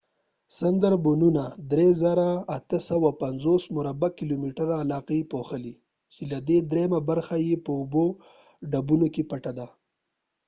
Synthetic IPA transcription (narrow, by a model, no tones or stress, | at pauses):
sand̪aɾbʊnunad̪ɾezaɾaːt̪əsawapanzosmʊɾabakɪlomiʈəɾaːlɑqepoxəli | t͡ʃelad̪ed̪ɾemabaɾxajepəʊbo | ɖabunokepaʈad̪a